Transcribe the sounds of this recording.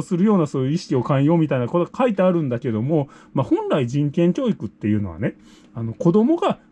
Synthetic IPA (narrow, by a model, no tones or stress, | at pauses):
sɨɾɯ̟jo̞ːnaso̞ːjɯ̟iɕi̥kʲio̞kãɰ̃jo̞ːmʲit̪ainakot̪o̞ɡakait̪̬eaɾɯ̟̃nd̪ake̞d̪o̞mo̞mahõ̞nɾaiʑĩŋkẽ̞ŋkʲo̞ːikɯ̟t̪ːe̞jɯ̟ːno̞βa̰ne̞ | ano̞ko̞d̪o̞mo̞ɡa